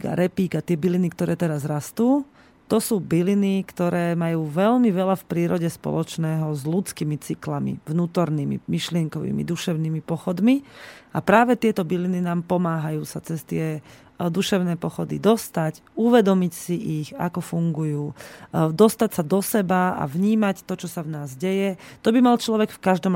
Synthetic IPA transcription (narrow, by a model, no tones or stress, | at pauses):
ɡa̰ɾɛpiːɡat̪ɪɛbilinik̚t̪ɔɾʔɛːt̪ɛɾazɾast̪uː | t̪ɔsuːbilinikt̪ɔɾɛːmajuːʋɛlmiʋɛlafpɾiːɾɔɟɛspɔ̰lɔt͡ʃnɛːɦɔzlut͡skiːmit͡siklamḭvnuːt̪ɔɾniːmḭmiʃlɪɛŋkɔʋḭːmḭd̪uʃɛʊnimipɔxɔd̪miapɾaːʋɛt̪ɪɛt̪ɔbilininaːmpɔmaːɦajuːsat͡sɛst̪ɪɛ | d̪uʃɛʊnɛːpɔxɔd̪ḭd̪ɔst̪ac | uʋɛd̪ɔmicsiʔiɣa̰kɔfuŋɡujuːd̪ɔst̪acsad̪ɔsɛbaa̰vɲiːmact̪ɔt͡ʃɔsavnaːzɟɛjɛt̪ɔbimalt͡ʃlɔʋɛkfkaʒd̪ɔm